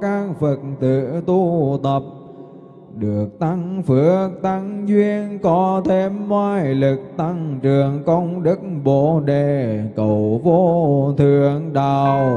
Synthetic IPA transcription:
kaː˧ŋfə˨˩t̚nt̪ɨ̰˧˨t̪u˧t̪ə˨˩p̚ | ɗɨ˨˩ək̚t̪a˧ŋfɨ˨˦ək̚t̪a˧ŋzwi˧ənkɔ˨˦t̪ʰe˧mːwaː˧jlɨ˨˩k̚t̪a˧ŋt͡ɕɨ˨˩əŋkə˧wŋ͡mɗɨ˦˥k̚ɓo̰˧˨ɗe˨˩kə˧˨˩wvo˧t̪ʰɨ˧˩˨əŋɗaː˨˩ww

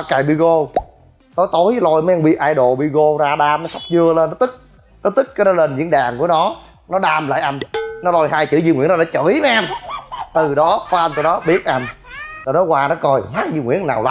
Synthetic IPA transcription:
a˧˩kaː˨˩ɓḭ˧˨ɣo˧ | t̪o˨˦jt̪o˨˦jlo˧jma˨˦jʔa˧ŋɓḭ˧˨ʔaː˧jɗo˨˩ɓḭ˧ɣo˧zaː˧ɗaː˧mnɔ˨˦jsa˦˥k͡p̚zɨ˧ələː˧nːɔ˨˦t̪ɨ˦˥k̚ | nɔ˨˦˥t̪ɨ˦˥k̚ka˨˦nɔ˨˦lə˧nzɨ̰˧˥əŋɗaː˨˩ŋku˧˩ənɔ˨˦ | nɔ˨˦ɗaː˧mla̰ː˧˨jʔa˧jnnɔ˨˦lo˧jhaː˧jt͡ɕɨ̰˧˩˦zḭ˧ŋwḭ˧˥ənɔ˨˧ɗaː˧˦t͡ɕə˧˩˦jma˧ʔɛ˧mt̪ɨ˨˩ɗɔ˨˦kɔ˧˦ʔa˧n̟t̪o˧nɔ˨˦ɓi˦˥ət̚ʔa˧jn | t̪ɔ˨˩nɔ˨˦waː˧nɔ˨˦kɔ˧˩jhwaː˦˥k̚zɨ˧ŋwḭ˧˩ənːa̰ː˨˩wla̰˨˦

